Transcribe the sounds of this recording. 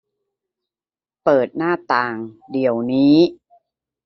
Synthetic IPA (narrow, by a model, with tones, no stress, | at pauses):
pɤː˨˩t̪̚naː˥˩t̪aː˨˩ŋdi˨˩˦əwniː˦˥